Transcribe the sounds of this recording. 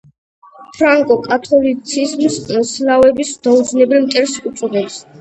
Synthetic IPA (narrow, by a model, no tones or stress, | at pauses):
pʰɾaŋkʼɔkʼat̪ʰɔlit̪sʰizmslavɛbisd̪̥aud̪znɛblimt̪ʼɛɾsut̪sʼɔd̪ɛps